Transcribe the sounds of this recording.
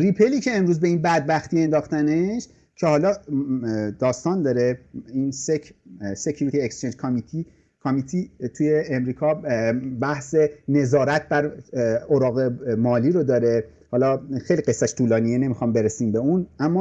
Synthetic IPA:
ripʰeliːcʰe̞emɾuːzbe̞inbæd̪̚bæxt̪iːe̞nd̪ɒːχt̪æneʃ | cʰe̞hɒːlɒː | d̪̥ɒːst̪ɒːnd̪ɒːɾeinsese̞cʰuɾit̪iekst͡ʃʰend͡ʒkʰomit̪ʰi | kʰomit̪ʰit̪ʰujeːmɾiːkʰɒːbæhse̞ne̞zɒːɾæt̪̚bæɾoɾɒːɣe̞mɒːliːɾod̪ɒːɾe̞ | hɒːlɒːxejliɢe̞sːæʃt̪ʰuːlɒːnijene̞mixɒːmbe̞ɾesiːmbe̞unʔæmːɒ

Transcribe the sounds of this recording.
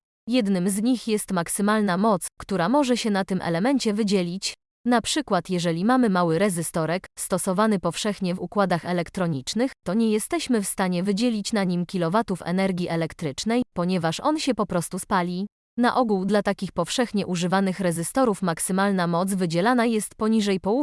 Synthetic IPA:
jɛd̪nɘmzɲixjɛst̪maksɘmalnamɔt̪skt̪uɾamɔʐɛɕɛnat̪ɘmʔɛ̰lɛmɛɲt͡ɕɛvɘd͡ʑɛlʲit͡ɕ | n̪apʂɘkwat̪jɛʐɛlʲimamɘmawɘɾɛzɘst̪ɔɾɛkst̪ɔsɔvanɘpɔfʂɛxɲɛvukwad̪axɛlɛkt̪ɾɔɲit͡ʂnɘxt̪ɔɲɛjɛst̪ɛɕmɘfst̪aɲɛvɘd͡ʑelʲit͡ɕnaɲimkʲilɔvat̪ufɛ̰nɛɾɡʲiʔɛlɛkt̪ɾɘt͡ʂnɛjpɔɲɛvaʂɔ̰nɕɛpɔpɾɔst̪uspalʲi | naʔɔɡuwd̪lat̪akʲixpɔfʂɛxɲɛʔuʐɘvanɘxɾɛzɘst̪ɔɾufmaksɘmalnamɔt̪zvɘd͡ʑɛlanajɛst̪pɔɲiʐɛjpɔwu

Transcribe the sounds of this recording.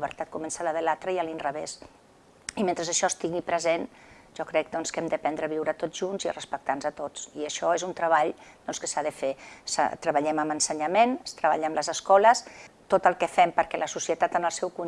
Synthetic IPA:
iβəɾt̪at̪̚kumɛnsələðəlat̪ɾəiəlinrəβes | iment̪ɾəzəʃɔst̪iɣipɾəzen | ʒ̥ɔkɾɛk̚d̪ɔnskɛmd̪əpɛnd̪ɾəβiwɾət̪oʒunzirəspək̚t̪anzət̪ot͡siəʃɔezunt̪ɾəβaʎd̪ɔnskəsaðəfesa̰t̪ɾəβəʎɛməmənsəɲəmenəst̪ɾəβaʎəəmləzəskɔləst̪ot̪əlˠkəfɛmpəɾkɛləsusiət̪at̪ənəlˠsɛwku

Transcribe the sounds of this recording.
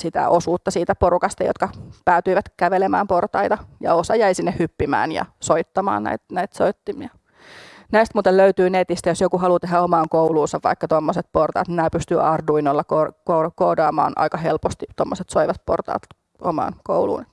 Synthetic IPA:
sit̪æ̰ʔosuːt̪ːɑsiːt̪æpoɾukɑst̪ɑjo̰t̪̚kɑpæːt̪yiʋæt̪kæʋelemæ̰ːmport̪ɑit̪ɑjɑ̰osɑjæisinːehhypːimæ̰ːnjɑ̰soit̪ːɑmɑ̰ːnnæ̰it̪næit̪soit̪ːimiɑ | næist̪muːt̪elløyt̪yːnet̪ist̪æjosjokuɦɑlut̪eɦæomɑːŋkouluːnsɑʋʋɑ̰ikːɑt̪omːoset̪̚port̪ɑ̰ːt̪nnæːpyst̪yʔɑrduinolːɑkoːkokoːdɑːmɑ̰ːnʔɑ̰ikɑhelpost̪it̪omːoset̪soiʋɑt̪po̰rt̪ɑ̰ːt̪ | ʔo̰mɑ̰ːnko̰ulṵːn

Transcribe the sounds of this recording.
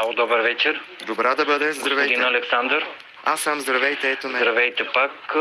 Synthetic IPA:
aod̪ɔbəɾvɛt͡ʃɛɾd̪obɾad̪ɐbəd̪ɛzɐvjd̪inɐlɛksand̪ɾ | asːamzd̪ɾɐvɛjt̪ɛɛt̪onɐɾɐvɛjt̪ɛpak

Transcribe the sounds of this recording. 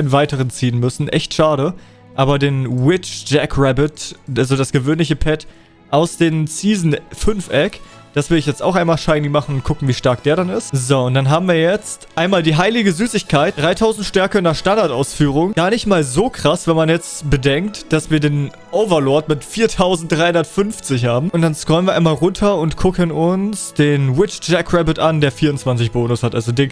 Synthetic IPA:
nnvaɪtəʁənt͡siːənmʏsn̩ʔɛ̰çtʃaːɾə | ʔaːbɐdeːnwɪt͡ʃd͡ʒɛkʰʁɛbɪtalzodasɡ̥əvøːnlɪçəpʰɛt | ʔaʊsd̥eːmt͡siːzn̩fʏnfʔɛk | d̥asv̥ɪɐɪçjɛt͡sta̰ʊxʔaɪnmaːlʃaɪnɪmaχn̩ʊnt̚kʰʊkŋ̩viːʃtaɐk̚d̥eːɐɾanɪstzoːʊntd̥anɦaːbm̩viːɐjɛt͡stʔaɪnmaːldiːɦaɪlɪɡəzyːsɪçkʰaɪt̚d̥ʁaɪtʰaʊzn̩tʃtɛɐkəɪnɐʃtandaɐtʔa̰ʊsfyːʁ̞ʊŋɡ̥aːɐnɪçtmaːlzoːkʁ̥asv̥ɛnmanjɛt͡stb̥ədɛŋktd̥asv̥iːɐdeːn | ʔoʊvɐlɔɐtmɪtfiːɐtʰaʊzn̩td̥ʁaɪhʊndɐtfʏnft͡sɪçhaːbm̩ʊnt̚d̥anskʁ̥ɔʏənviːɐaɪmaːlʁʊntʰɐʊntkʰʊkənʊnsd̥eːnwɪt͡ʃd͡ʒɛkʁɛbɪtʔandeːɐfiːɐʊntt͡sv̥ant͡sɪçb̥oːnʊshatʔa̰lzodɪː

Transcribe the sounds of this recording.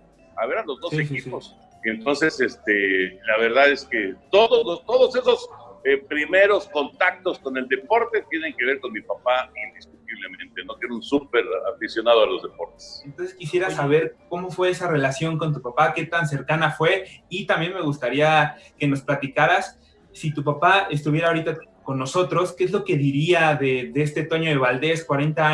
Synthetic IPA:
a̰βeɾanlo̞zðosesispo̞s | ent̪o̞nsesest̪elaβe̞ɾðaðesket̪oðozlost̪o̞ðose̞sosepɾime̞ɾo̞sko̞nt̪ak̚t̪o̞sko̞ne̞ld̪e̞po̞ɾt̪e̞t̪je̞ne̞ŋke̞βe̞ɾko̞nmipapaind̪isk̚ut̪iβle̞mẽnt̪e̞no̞keeɾunsupeɾa̰fisjo̞nað̞oalo̞zðepo̞ɾt̪e̥sent̪o̞nseskisjeɾasaβ̞e̞ɾko̞mo̞fwe̞esare̞lasjo̞ŋko̞nt̪̬upapake̞t̪ans̬e̞ɾkanafwe̞it̪ambje̞nme̞ɣust̪aɾiake̞no̞splat̪ikaɾasː | it̪up̬apae̞s̬t̪uβjeɾaoɾit̪ako̞nːo̞so̞t̪ɾo̞skeezlo̞ke̞ðiɾiaðe̞ðeest̪e̞t̪o̞ɲo̞ðeβald̪e̞skwaɾe̞nt̪aa

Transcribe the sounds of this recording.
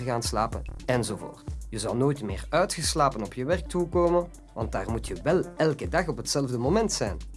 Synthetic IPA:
ɣaːnsla̰ːpə̰nɛnzovo̰ːrtjəzɑlˠnoːjtmɪ̰ːrœɥtxəslaːpənɔpjəʋɛrk̚tukoːmən | ʋɑ̰nt̚daːrmutjəʋɛlˠɛlˠkədɑχɔpɦətsɛlvdəmomɛntsɛjn

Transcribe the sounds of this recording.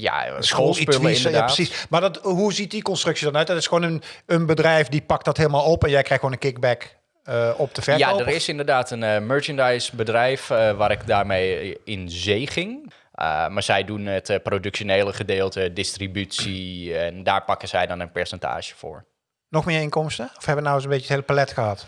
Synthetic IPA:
ja̰sxolˠipøləɪsndəjdaaːəsismadɔtɦuzit̚dikɔnstrɵksidɔnœɥttɪsxʋoːnənənbədrɛjfdipɑktdɔtɦeːlˠəmaːlˠɔpɛnjɛjkrɛjxʋoːnə̃nkɪɡ̚bɛk | ɔp̚dəvɛjaərɪsɪndəɹdaːtənmøɹt͡ʃəndajsbədrɛjfʋaːɾɪkdaːɹmejɪnzeːχɪŋ | maːɹzɛjdunətprodʉkʃoneːləχədeːlˠtədɪstribytsiɛndaːɹpɑkəzɛjdɔnənpɛɹsɛnta̰ːʒə̥fʊ̰ːɹ | nɔxmɪːɹɪŋkɔmstəɔfhɛbəənawəs̬ənbetətejləpalɛtxəɦɑt

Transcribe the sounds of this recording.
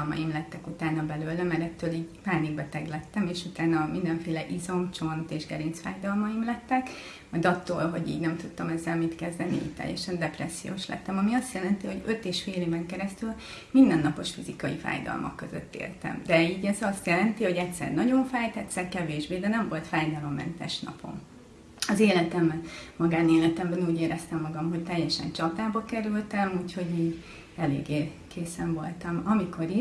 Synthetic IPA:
lmɒ̰jimlɛt̪ːɛkut̪aːnɒbɛløːlɛmɛɾɛt̪ːøːliːɟpaːniɡ̚bɛt̪ɛɡlɛt̪ːɛmeːʃut̪aːnɒmind̪ɛɱfeːlɛʔizo̞mt͡ʃo̞nt̪eːʒɡɛɾinsfa̰ːjd̪ɒlmɒjimlɛt̪ːɛk | mɒjd̪ɒt̪ːo̰ːlɦo̞ɟḭːɟnɛmt̪ut̪ːɒmɛzːɛlmit̪kɛzd̪ɛniḭːct̪ɛ̰jːɛ̰ʃɛnd̪ɛprɛsːijo̰ːʃlɛ̰t̪ːɛmɒmiɒst̪jɛlɛnt̪iho̞ɟø̞t̪eːʃfeːleːvɛŋkɛɾɛst̪yl | mind̪ɛnːɒpo̞ʃfizikɒjifa̰ːjd̪ɒ̰lmʔɒ̰kːø̞zø̰t̪ːḛːrt̪ɛ̰md̪ɛiːɟɛzɒst̪jɛlɛnt̪iho̞ɟɛcʲsɛ̰rnɒɟo̞ɱfaːjt̪ɛt̪sɛrkɛveːʒbeːd̪ɛnɛɱvo̞lt̪faːjd̪ɒlo̞mːɛ̰nt̪ɛʃnɒ̰pʰo̞̰m | ɒzeːlɛt̪ɛmbɛnmɒɡaːneːlɛt̪ɛmbɛnuːɟeːɾɛst̪ɛmːɒɡɒmɦo̞ct̪ɛjːɛʃɛ̰nt͡ʃɒt̪aːbɒkɛɾylt̪ɛmuːcho̞ɟiːɟ | ɛlḛːɡːeː | kʰeːsɛɱvo̞lt̪ɒmɒmikʰo̞ɾi

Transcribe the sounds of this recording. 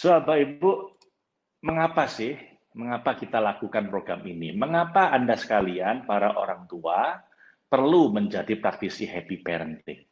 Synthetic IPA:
soapaibu | məŋapasɪh | məŋapakit̪alakukanpɾoɡɾaminiməŋapaːndasə̥kalianpaɾaʔo̰ɾaŋt̪ua | pərluməɲd͡ʒadipɾak̚t̪isiɦɛpipɛɾənt̪ɪ̰ŋ

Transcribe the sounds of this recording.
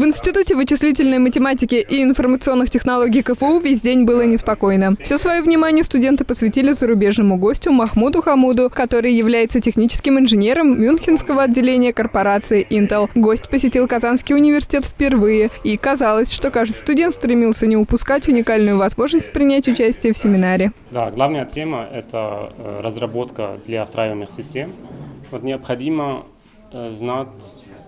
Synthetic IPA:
vɨnsʲtʲɪt̪utʲɪvɨt͡ɕɪslʲitʲɪlʲnəjmətʲɪmatʲɪkʲɪʔiɪnfərmət̪sɨo̞nːɨxtʲɪxnɐlˠo̞ɡʲijkəfəuvʲesʲdʲenʲbɨlˠənʲɪspɐko̞jnəfsʲosvɐjovnʲɪmanʲɪjəst̪ʊdʲe̞nt̪ɨpəsvʲɪtʲilʲɪzəɾʊbʲe̞ʐnəmʊɡo̞sʲtʲʊmɐxmud̪ʊxɐmud̪ʊkɐt̪o̞ɾɨjjɪvlʲæjɪt̪sətʲɪxnʲit͡ɕɪskʲɪmɪnʐɨnʲe̞ɾəmːʲunxʲɪnskəvəɐdʲːɪlʲenʲɪjəkərpɐɾat̪sɨɪʔint̪əlˠɡosʲtʲpəsʲɪtʲilˠkɐzanskʲɪjʊnʲɪvʲɪrsʲɪ̥tʲe̞t̪fʲpʲɪrvɨjɪikɐzalˠəsʲʂt̪o̞kaʐɨt̪st̪ʊdʲe̞nt̪st̪ɾʲɪmʲilˠsʲənʲɪʊpʊskatʲʊnʲɪkalʲnʊjʊvɐzmo̞ʐnəsʲt̚ʲpɾʲɪnʲætʲʊt͡ɕæsʲtʲɪjəfsʲɪmʲɪnaɾʲɪ | d̪aɡlˠavnəjətʲeməʔɛt̪ə̰ɾəzrɐbot̪kə̰d̪lʲaːst̪ɾajɪvənɨxsʲɪsʲtʲemvot̪nʲɪəpxɐdʲimə | znatʲ

